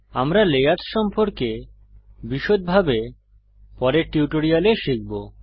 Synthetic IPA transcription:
amɾalejat̪ʃɔmpoɾke | biʃot̪̚bʱabe | pɔɾeʈiuʈoɾialeʃik̚bo

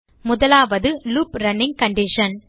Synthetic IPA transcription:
mʊðɐlaːʋɐðɯluːpɾɐnːɪŋkɐɳɖɪʂɐn

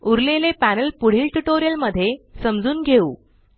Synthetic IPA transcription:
uɾlelepænəlpuɽ̤iːlʈuʈoɾijəlməd̪ʱːjesəmd͡zuːnɡʱeṵː

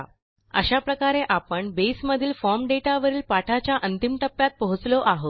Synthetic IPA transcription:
ə̰ɕapɾəkaɾeʔapəɳbesməd̪ʱiːlfɔɾmɖeʈaʋəɾiːlpaʈʰat͡ɕjaʔənt̪imʈəpːjat̪̚pəɦut͡sloʔaɦot̪

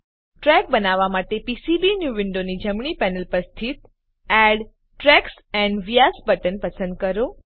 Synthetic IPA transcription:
ʈɾɛk̚bənaʋamaʈepisibinjuʋɪɳɖonid͡ʒəmɳipɛnəlpəst̪ʰit̪ | ɛɽ | ʈɾɛks | ɛ̃ɳɖʋijasbəʈənpəsə̃nd̪̚kəɾo

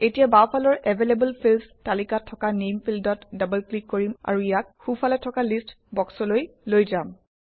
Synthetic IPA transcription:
etijabawpʰalɔɹʔɛvʱelebəlpʰilstalikatʰːɔkanempʰildɔtdabəlklikːoɹima̰ɹuijak̚xupʰalɛtʰɔkalist | bɔksɔlojlojzam

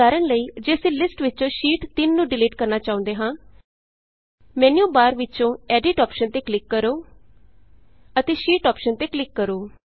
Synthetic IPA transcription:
aːɾəɳləiːd͡ʒeːsĩːlɪsʈʋɪt͡ʃõːʃiːʈt̪ɪnːũːɖɪleːʈkəɾnaːt͡ʃaːʊ̃nd̪eːɦãː | mɛːnjõːbaːɾʋɪt͡ʃõːɛːɖɪʈɔːpʃənt̪eːklɪkːəɾoː | ət̪eːʃiːʈɔːpʃənt̪eːklɪkːəɾoː

